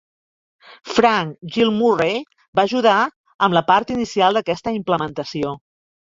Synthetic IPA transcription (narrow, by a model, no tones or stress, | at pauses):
fɾaŋkʒilˠmure | baʒuð̞a | əmləpaɾt̪inisialˠd̪əkɛst̪əimpləmənt̪əsio